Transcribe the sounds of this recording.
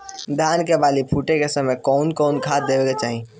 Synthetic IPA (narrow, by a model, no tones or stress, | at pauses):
d̪ʱjaːnkebaːlipʰuʈẽkesəməjkɔʊnkɔːnkʰaːt̪̚d̪eʋeket͡ʃaːɦĩ